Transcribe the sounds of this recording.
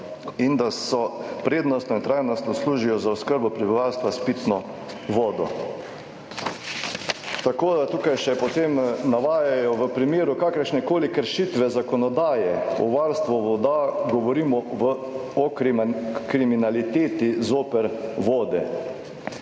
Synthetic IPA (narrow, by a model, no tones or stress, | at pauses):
ind̪asɔpɾeːd̪nɔst̪nɔint̪ɾajnɔst̪nɔsluːʒijɔzaɔskəɾbɔpɾibiʋawst̪ʋaspit̪nɔ | ʋɔːd̪ɔ | t̪akoːd̪at̪ukajʃɛpɔt̪eːmnaʋaːjajɔʋəpɾimeːɾukakəɾʃnɛkoːlikəɾʃit̪ʋɛzakɔnɔd̪aːjɛɔ̰ʋaɾst̪ʋɔʋɔd̪aɡɔʋɔɾiːmɔʋəɔkɾkɾiminalit̪eːt̪izoːpɛɾʋoːd̪ɛ